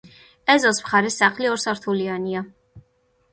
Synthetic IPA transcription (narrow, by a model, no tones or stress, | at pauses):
ɛzɔsmχaɾɛsaχliɔɾsaɾt̪ʰuliania